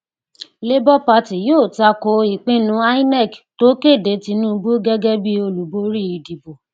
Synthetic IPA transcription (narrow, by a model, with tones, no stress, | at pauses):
le˦bɔ˦pa˧ti˨joː˦˨ta˧ko˧˦i˨k͡pẽ˦nũ˨˦a˦i˦nɛ˦˨kto˨˦ke˦˨de˨˦ti˧˦nũ˦bu˦ɡɛ˦ɡɛ˦bi˦o˧lu˨bo˨˦ɾi˦i˨˧di˨bo˨